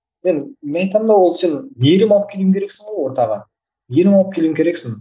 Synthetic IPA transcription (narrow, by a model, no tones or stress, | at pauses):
me̞nmenɑjt̪ɑmd̪ɑwo̞lˠse̞nːeeɾɪmɑlˠəp̚kʲʰeluɪŋkʲʰɾe̞ksɪɴʁojwo̞ɾt̪ɑʁɑ | meɾɪmɑlˠəpkʲʰe̞luɪŋʲkʲe̞ɾeksɪŋ